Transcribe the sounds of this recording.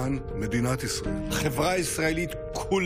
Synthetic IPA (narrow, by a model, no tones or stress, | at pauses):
an | med̪inat̪isʁeχevʁaisʁaelit̪ | kʰul